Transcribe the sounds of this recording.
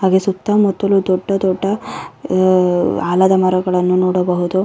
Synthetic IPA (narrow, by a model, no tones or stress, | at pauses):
ɦaːɡesut̪ːamɔt̪ːɐlud̪ɔɖːɐd̪ɔɖːɐ | aːlɐd̪ɐmɐɾɐɡɐɭɐnːunoːɽɐbɐɦud̪u